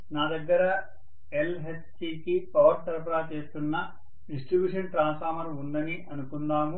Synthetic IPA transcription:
naːd̪ɐɡːɐɾɐ | elɦesʈiːkipɐʋɐɾt̪ɐɾp̬ɐɾaːt͡ʃe̞ːst̪unːɐ | ɖisʈɾibjuːʂɐnʈɾaːnsfaːɾmɐɾund̪ɐniʔɐnukund̪aːmu

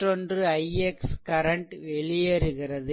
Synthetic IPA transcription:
ʈrɔndrɯɐjɛkskɐɾɐɳʈʋɛɭɪjɐɾɯɣɪrɐðɯ

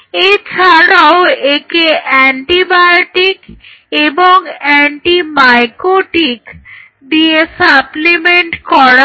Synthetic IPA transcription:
et͡ɕʰaɽaoekeʔɛɳʈibajoʈik | eboŋɛɳʈimajkoʈik | d̪iesaplimeɳʈkɔɾa

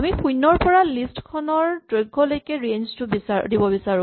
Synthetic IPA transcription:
amixujnːɔɹpɔɹalistkʰɔnɔɹdɹojɡʱːɔlojkɛɹenztʊbisadibɔbisaɹʊ̃

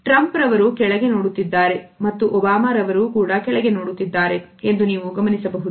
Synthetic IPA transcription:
ʈɾɐmpɾɐʋɐɾukɛɭɐɡe̞noːɽut̪ːid̪ːaːɾe̞mɐt̪ːuʔɔbaːmaːɾɐʋɐɾukuːɽɐkɛɭɐɡe̞noːɽut̪ːid̪ːaːɾe̞end̪uniːʋuɡɐmɐnisɐbɐɦud̪u

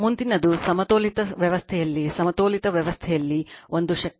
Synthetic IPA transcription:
mund̪inɐd̪usɐmɐt̪oːlit̪ɐʋjɐʋɐst̪ʰɛjɐlːisɐmɐt̪oːlit̪ɐʋjɐʋɐst̪ʰɛjɐlːiond̪uʃɐk

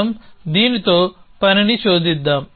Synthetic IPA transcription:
ɐmd̪iːnit̪oːpɐɾɐnit͡ʃoːd̪id̪ːɐm

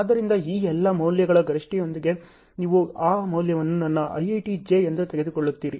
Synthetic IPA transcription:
aːd̪ːɐɾind̪ɐiːɛlːɐmɐwljɐɡɐɭɐɡɐɾiʂʈijond̪iɡe̞ | niːʋuaːmɐwljɐʋɐnːunɐnːɐʔɐ̰jɐjʈid͡ʒeend̪ut̪eɡe̞d̪ukɔɭːut̪ːiːɾi

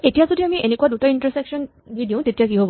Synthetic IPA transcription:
etijazodiamiʔenekuaduʈainʈɔɹseksɔn | bʱidijõtetiakiɦob

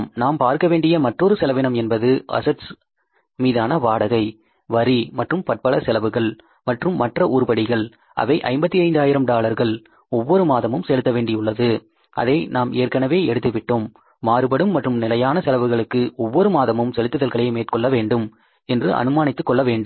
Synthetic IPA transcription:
mnaːmpaːɾkɐʋeːɳɖɪjɐmɐʈrɔɾɯsɛlɐʋɪɳɐmɛnbɐðɯʔɐ̰sɐʈs | miːðaːnɐʋaːɽɐɣɐɪ | ʋɐɾimɐʈrɯmpɐʈ̚pɐɭɐsɛlɐʋɯɣɐɭ | mɐʈrɯmːɐʈrɐʔuːɾbɐɽɪɣɐɭ | ʔɐ̰ʋɐɪʔɐ̰ɪmbɐt̪ːiɐɪnd̪aːjɪɾɐmɖaːlɐɾɣɐɭ | ɔʋːɔɾɯmaːðɐmɯmsɛlɯt̪ːɐʋeːɳɖɪjʊɭːɐðɯ | ʔɐ̰ðɐɪnaːmeːɾkːɐnɐʋeːɛɽɯt̪ːɯʋɪʈːoːmː | aːɾɯbɐɽɯmːɐʈrɯmnɪlɐjaːnɐsɛlɐʋɯɣɐɭɯkːɯɔʋːɔɾɯmaːðɐmɯmsɛlɯt̪ːɯðɐlɣɐɭɐɪmeːʈkɔɭːɐʋeːɳɖɯm | ɛndrɯʔɐ̰nɯmaːnɪt̪ːɯkːɔɭːɐʋeːɳɖɯm

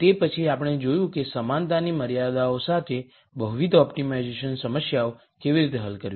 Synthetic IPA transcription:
t̪epət͡ʃʰiapəɽ̃ed͡ʒojũkesəmant̪animəɾjad̪aosat̪ʰe | bəɦuʋid̪ɔpʈimaid͡ʒeʃənsəməsjao | keʋiɾit̪̬eɦəlkəɾjĩ

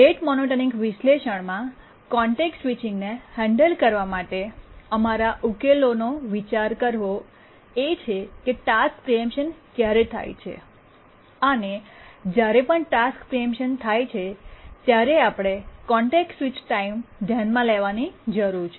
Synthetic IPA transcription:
ɾeʈmɔnoʈənĩŋɡʋɪʃleʃəɳmã | kɔɳʈeksʋit͡ʃɪŋɡnehɛ̃ɳɖəlkəɾʋamaʈeəmaɾaʔukelonoʋit͡ʃaɾkəɾʋo | et͡ʃʰekeʈask̚pɾijəmpʃənkjaɾet̪ʰa̰jt͡ʃʰḛ | əned͡ʒjaɾepəɳʈaskpɾijəmpʃənt̪ʰajt͡ʃʰet̪jaɾeapɽ̃ekɔɳʈeksʋit͡ʃʈaimd̪ʱjanmãleʋanid͡ʒəɾuɾt͡ʃʰe

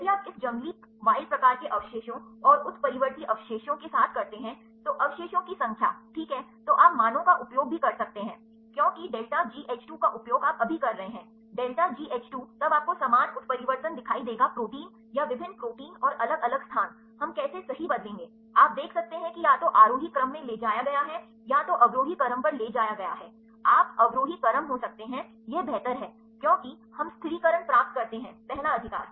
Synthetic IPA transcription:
biaːpɪsd͡ʒɐ̃ŋɡli | ʋaːɪlpɾɐkaːɾkeʔɐʋʃeːʃõɔːɾʊt̪ʰpɐɾɪʋəɾt̪iʔɐʋʃeːʃõkesaːt̪ʰkɐɾt̪eɦɛ̃ | t̪oʔɐʋʃeːʃõkisɐ̃ŋkʰja̰ːʈʰiːkɦɛt̪oʔaːpmaːnõkaʔʊpjoːɡ̚bʱikɐɾsɐk̚t̪eɦɛ̃ː | kjõːkiɖeːlʈad͡ʒiːʔeːt͡ʃʈuːkaʔʊpjoːɡaːpɐbʱikɐɾːɐɦeɦɛ̃ː | ɖeːlʈad͡ʒiːʔeːt͡ʃʈuːt̪ɐbaːp̚kosɐmaːd͡ʒʊt̪ʰpɐɾɪʋəɾt̪ənd̪ɪkʰaːid̪eːɡapɾoːʈiːn | jaʋɪbʱɪnːpɾoːʈiːnɔːɾʔɐləɡɐləɡst̪ʰaːn | ɦɐmkɛːsesɐɦibɐd̪lẽːŋɡeː | aːp̚d̪eːkʰsɐk̚t̪eɦɛ̃kijaːt̪oʔaːɾoːɦikɾəmːẽleːd͡ʒaːjaɡɐjaɦɛ | jat̪oʔɐbɾoːɦikɐɾəmpɐɾleːd͡ʒaːjaɡɐjaɦɛː | aːpɐɡɾoːɦikɐɾəmɦosɐk̚t̪eɦɛ̃ | jebɛːt̪əɾɦɛː | kjõːki | hɐmst̪ʰɾiːkɐɾəɳpɾaːp̚t̪̚kɐɾt̪eɦɛ̃ːt̪ɛɦnaɐd̪ʱɪka̰ːɾ

